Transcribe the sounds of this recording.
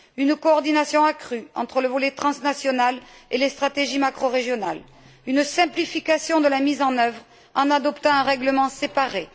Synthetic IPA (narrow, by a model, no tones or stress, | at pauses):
ynkɔːʁd̪inasjɔ̃akχyɑ̃t̪χələvɔlɛt̪χɑ̃snasjɔnalelest̪χat̪eʒimakχɔʁeʒjɔnal | ynsɛ̃plifikasjɔ̃d̪əlamizɑ̃nœvʁ | ɑ̃nad̪ɔpt̪ɑ̃ɛ̃ʁɛɡləmɑ̃sepaʁe